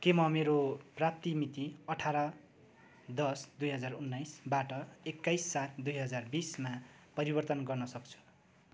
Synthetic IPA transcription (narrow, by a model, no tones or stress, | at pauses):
kemʌmeɾoprap̚t̪imit̪iʌʈʰaɾʌ | d̪ʌsd̪ujɦʌd͡zarunːajsbaʈʌekːajsːat̪ʰd̪ujɦʌd͡zarbisma | pʌɾibʌrt̪ʌnɡʌrnʌsʌk̚t͡sʰu̥